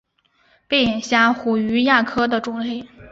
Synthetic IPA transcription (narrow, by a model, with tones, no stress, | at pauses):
pe˥˩ɪjɛ˨˩nɕja˥xu˨˩y˧˥ja˥˩kʰɤ˥d̪ə˨ʈ͡ʂʊ˨˩ŋle˥˩ɪ